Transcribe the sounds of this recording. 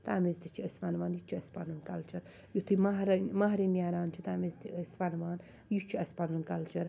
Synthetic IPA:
t̪aːmezt̪it͡ʃʰiəspanʋaːnjut͡ʃʰiɐspanunkɐlt͡ʃɐɾ | jut̪ʰimaɦɾmaɦɾinaːɾaːnt͡ʃʰit̪aːmizt̪iʔəspanʋaːn | jut͡ʃʰiɐspanunkɐlt͡ʃɐɾ

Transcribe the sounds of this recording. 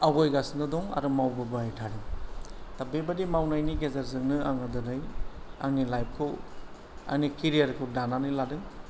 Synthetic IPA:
awajɡasɯnɯdɔŋa̰ɾɯmawbɯbɯajtʰaɾɯŋtabebadimawnajniɡezaɾzɯŋnɯaŋɯdɯnɯja̰ŋnilajp̚kʰɯ | a̰ŋnikʰiɾijaɾkʰɯdananɯjladɯŋ

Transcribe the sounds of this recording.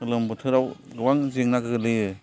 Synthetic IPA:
ɯlɯmbutʰɯɾawɡɯwaŋziŋnakɯɡɯlɯjɯ

